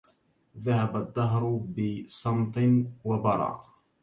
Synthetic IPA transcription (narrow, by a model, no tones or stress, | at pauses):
ðaɦabad̪ˤːɑɦɾˤʊbɪsˤɑmt̪ˤɨnwabɑɾˤɑ̰ː